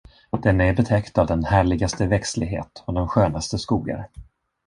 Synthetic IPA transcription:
d̪̥ɛnæɾbɛt̪ʰɛkt̪avd̪ɛnhæːɭɪɡast̪əvɛkslɪɡɦḛːt̪ɔd̪ɛnɧøːnast̪əskuːɡa̰ɾ

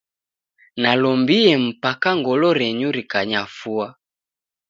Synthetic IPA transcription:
nalɔmbiɛm̩pakaŋɡɔlɔɾɛɲuɾikaɲafua

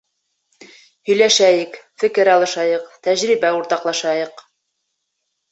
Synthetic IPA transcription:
hɵ̆jlæʃæjɘkfɘ̆kɘɾɑlˠɤ̆ʃɑjɤqt̪æʑɾibæuɾt̪ɑqlˠɑʃɑjɤq

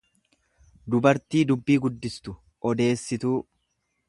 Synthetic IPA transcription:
d̪ʊbɐɾt̪iːd̪ʊbːiːɡʊd̪ːɪst̪ʊ | ʔɔd̪e̞ːsːɪt̪uː

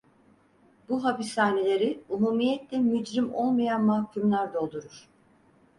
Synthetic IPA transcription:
buɦapisaːnelʲe̞ɾiumuːmijɛt̪lʲɛmyd͡ʒɾimo̞lˠmajanmahcʰymlʲˠæɾd̪o̞lˠd̪uɾuɾ̥

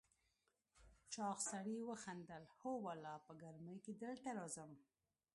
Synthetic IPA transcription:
t͡ʃɑxsaɽiwəxand̪əlhowalɑpəɡaɾməjked̪əlt̪aɾɑzəm

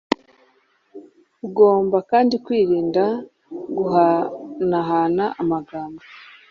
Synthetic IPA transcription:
uɡo̞ːmbakaːndikwiːɾiːnda | ɡuɦanaɦanaʔamaɡaːmbo

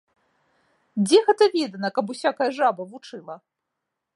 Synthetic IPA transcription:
d͡zʲɛɣɛt̪ɐvʲɛd̪ɐnɐkɐp̬usʲakɐjɐʐabɐvut͡ʂɨlˠɐ

